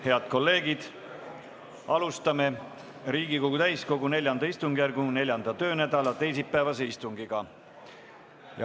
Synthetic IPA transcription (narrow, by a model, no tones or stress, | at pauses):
he̞ɑd̪̥̚ko̞lːe̞ːɡ̥id̪̥ | ɑlust̪ɑme̞ | ɾiːɡ̥iko̞ɡut̪æjsko̞ɡune̞lʲjɑnd̪ɑist̪uŋɡ̥jærɡ̥une̞lʲjɑnd̪̥ɑt̪ø̞ːnæd̪̥ɑlɑt̪e̞jsipːæevɑseist̪uŋɡ̥iɡ̥ɑ | jɑ̰